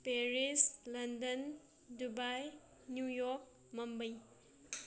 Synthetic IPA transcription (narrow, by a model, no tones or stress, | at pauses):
peɾislɐndɐn | dubaj | njujɔk̚ | mɐmbɐj